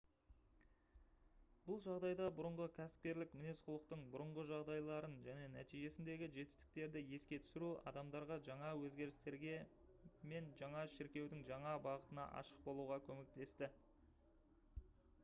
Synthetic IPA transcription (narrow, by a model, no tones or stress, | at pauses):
bʊlˠʒɑʁd̪ɑjd̪ɑbʊɾəɴʁəkʲʰæsɪ̥p̚kʲe̞ɾlɪkmɪne̞sqʰʊlˠəq̚t̪əɴbʊɾəɴʁəʒɑʁd̪ɑjlˠɑɾənʒæne̞næ̰t̪ijʒe̞sɪnd̪e̞ɡʲɪʒe̞t̪ɪ̥st̪ɪ̥k̚t̪e̞ɾd̪ɪje̞skʲe̞t̪ʰʏ̥sɪɾuɑ̰d̪ɑmd̪ɑɾʁɑʒɑɴɑwɵzɡʲe̞ɾɪst̪e̞ɾɡʲe̞ | me̞nʒɑɴɑʃɪɾkʲe̞wd̪ɪŋʒɑɴɑbɑʁət̪ənɑ̰ʔɑ̰ʃə̥q̚bo̞lˠuʁɑkʲʰɵme̞k̚t̪e̞st̪ɪ